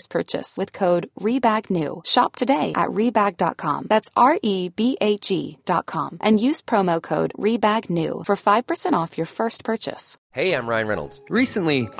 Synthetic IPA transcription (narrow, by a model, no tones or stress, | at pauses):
spʰɜ̰˞t͡ʃɨ̰swɨð̥kʰoʊd̚ɹibæɡnʉ̰ʃɑ̰p̚tʰɨdeɪʔɨ̰ʔɹibæɡ̚dɑ̰t̚kʰɑ̰̃mðætsɑɹʔibiʔeɪt͡ʃḭd̥ɑ̰t̚kʰɑ̰̃mʔɨ̃njʉz̥pʰɹ̥oʊmoʊkʰoʊdɹibæɡnʉ̰fə˞faɪv̥pʰə˞sɛ̃ɾ̃tɔfjə˞fɜ˞spʰɜ˞t͡ʃɨ̰s | heɪãɪ̃mɹaɪɨ̃nɹɛ̰nl̩ˠdz̥ɹisɨ̃nli